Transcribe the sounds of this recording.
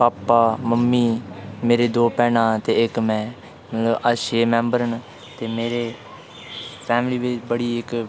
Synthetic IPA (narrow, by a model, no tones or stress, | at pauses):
paːpːaːməmːiːmeːɾeːd̪oːpɛːnãːt̪eːɪkmɛ̃ː | mət̪ləbəʃeːmɛ̃ːmbəɾən | t̪eːmeːɾeː | pʰɛːmliːʋɪt͡ʃbəɽiːɪk